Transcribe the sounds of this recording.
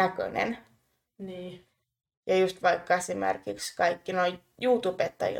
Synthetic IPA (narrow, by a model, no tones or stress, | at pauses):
ækø̰nḛn | niː | jɑjust̪ʋɑikːɑesimḛrkikskɑikːinoi | juːt̪upet̪ːɑ̰jḭ